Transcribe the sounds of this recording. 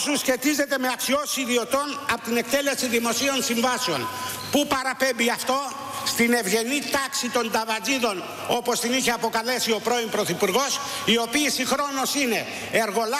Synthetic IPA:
susçe̞t̪ize̞t̪eme̞ɐksio̞siðio̞t̪o̞nɐpot̪ine̞k̚t̪e̞le̞siðimo̞sio̞nsiɱvɐseo̞̰n | pupɐɾɐpe̞mbiɐft̪o̞ | st̪ine̞vʝe̞nit̪ɐksit̪o̞nd̪ɐvɐd͡ziðo̞n | o̞po̞st̪iniçe̞ɐpo̞kɐle̞sio̞pɾo̞impɾo̞θipuɾɣo̞s | io̞piːsixɾo̞no̞sine̞ː | ɾɣo̞l

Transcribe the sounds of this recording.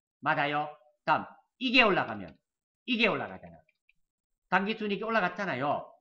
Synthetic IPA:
mad͡ʑajo | t͡ɕam | iɡe̞oɭːaɡamjʌ̰n | iɡe̞oɭlːa̰ɡa̰d͡ʑa̰na̰ | taŋɡis͈ʰuɲikeoɭːaɡat͡ɕʰanajo

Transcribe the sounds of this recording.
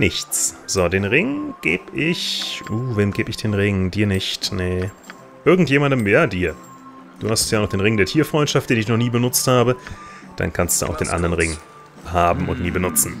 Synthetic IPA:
nɪçt͡sz̥oːdeːnʁɪŋɡ̥eːbʔɪçʔuːveːmɡeːbɪçd̥eːnʁɪŋdiːɐnɪçtnə | ʔɪɐɡŋ̩tjeːmandəmjaːdiːɐ | d̥uːhasttjaːnɔχd̥eːnʁɪŋdeːɐtʰiːɐfʁ̥ɔʏntʃaftd̥eːnɪç̬nɔχniːbənʊt͡sthaːbə | d̥a̰nkʰanstd̥ṵːʔa̰ʊxd̥eːnʔa̰ndəʁənʁɪŋ | haːbm̩ʊ̰ntniːbənʊt͡sn̩

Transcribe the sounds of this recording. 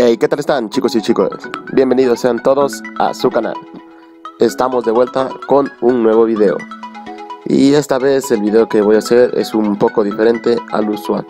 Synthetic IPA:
ejke̞t̪alest̪ant͡ʃiko̞sit͡ʃikosbje̞mbe̞niðosːe̞ant̪o̞ðo̞sa̰sukana̰l | est̪amo̞zðeβwelt̪ako̞nuŋnwe̞βoβiðe̞o̰ | ḭe̞st̪aβe̞se̞lβiðe̞oke̞βo̞jaseɾḛsumpo̞ko̞ðifeɾe̞nt̪e̞a̰luswa̰l

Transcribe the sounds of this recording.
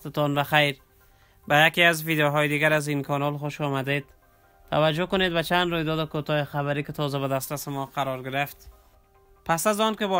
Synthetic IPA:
t̪ɪt̪ɔnbaxajɾ | bajakiazvid̪joɦɔjed̪iɡaɾazinkʰɒnɔlxoʃɔmad̪ed̪̚ | t̪ʰːavad͡ʒʊkʊned̪̚bat͡ʃand̪ɾojd̪ɔd̪ɪkot̪ɒjexaβaɾikɪt̪ʰɔzabad̪ast̪ɾasɪmɔqʰaɾɔɾɡɪɾɪft̪ | pasazɔnkɪbɔ

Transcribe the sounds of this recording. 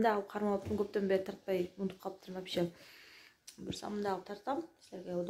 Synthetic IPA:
nd̪ɑjɑlˠəp̚qʰɑɾmɑlˠəp̚t̪ənŋkʲʰɵp̚t̪embet̪ʰɑɾt̪̚pɑjmund̪əp̚qʰɑlˠəp̚t̪ʰəɾmɑpʃɪ | bɪɾsɑ̰mənd̪ɑlˠəp̚t̪ʰɑɾt̪ɑmsleɾɡʲejɑwd̪

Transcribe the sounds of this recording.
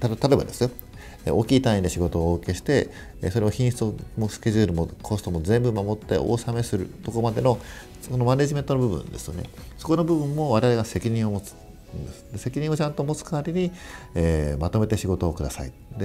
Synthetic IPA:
t̪at̪oebad̪esɨjo̞ | o̞ːkʲiːt̪aĩd̪e̞ɕiɡo̞t̪o̞ːoːkeɕi̥t̪e̞ | so̞ɾe̞oçĩɰ̃ɕt͡somoskʲe̞ʑɨːɾɯ̟mokʰost̪o̞mo̞zẽ̞mbɯ̟mamo̞t̪ːe̞̰ʔo̞̰ːsame̞sɨɾɯ̟̰t̪o̞ko̞mad̪e̞no̞ | soono̞mane̞ʑime̞nt̪onobɯ̟bɯ̰̃nd̪e̞sɨ̥jo̞̰ne̞̰so̞ko̞nobɯ̟bɯ̟̃mːo̞βaɾe̞βaɾeɡase̞kʲiɲ̟ĩɰ̃o̞mo̞t͡sɨ̥ | nd̪esɨ̥d̪̥e̞se̞kʲiɲ̟ĩot͡ɕãnt̪o̞mo̞t͡sɨ̥kaβaɾʲiɲ̟ieːmat̪o̞me̞t̪e̞ɕiɡo̞t̪o̞ːkɯ̟d̪asa̰ḭ | d̪e

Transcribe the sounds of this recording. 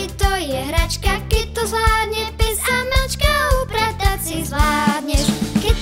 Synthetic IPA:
ɛt̪ɔjɛɦɾat͡ʃkakɛc̚t̪ɔzlaːd̪ɲɛpɛzamɛlt͡ʃkaupɾat̪at͡sizlaːd̪ɲɛkɛ

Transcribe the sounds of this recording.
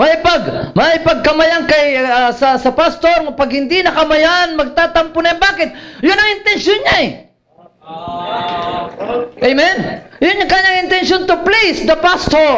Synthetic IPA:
mɐɪpaɡmɐɪpɐɡ̚kɐmɐjaŋkɐjasɐsɐpast̪oɾŋpɐɡhɪnd̪inɐkɐmɐjanmɐɡ̚t̪aːt̪ɐmpʊnɐjmbaːkɪt̪̚jʊnɐŋɪnt̪ɛnsonɲaɛ | ʔejmɛnjʊnːaŋkaɲaŋɪnt̪ɛnsjont̪oplisd̪ɐpast̪oɾ

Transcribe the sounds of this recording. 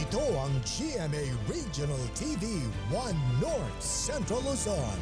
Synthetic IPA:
it̪oʌ̃ŋd͡ʒiɛmeɹid͡ʒənəlˠtʰivi | wʌ̃nːɔɹt | sɛ̃ntɹəlˠuzən

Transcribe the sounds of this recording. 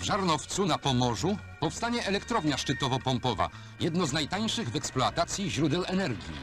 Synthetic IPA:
vʐaɾnɔft̪sunapɔmɔʐu | pɔfst̪aɲɛʔɛlɛkt̪ɾɔvɲaʂt͡ʂɘt̪ɔvɔpɔmpɔva̰ | jɛd̪nɔznajt̪aɲ̃ʂɘɣvɛksplɔat̪at̪sʲjiʑɾud̪ɛwɛnɛɾɡʲḭ

